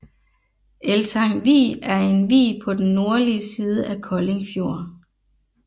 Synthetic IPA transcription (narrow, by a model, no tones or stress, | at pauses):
ʔelsɑ̈ŋʋḭːæɐe̝nʋḭːpʰɒ̽d̥enːo̝ɐliəsiːð̞ˠəʔækʰɒ̽le̝ŋfjo̝ɐ̰n